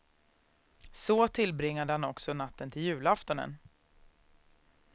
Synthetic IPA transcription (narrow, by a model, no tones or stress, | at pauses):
sɔt̪ʰɪlbɾɪŋːad̪əhanɔksɔnat̪ːənt̪ʰɪljʉ̟ːlaft̪ɔnə̰n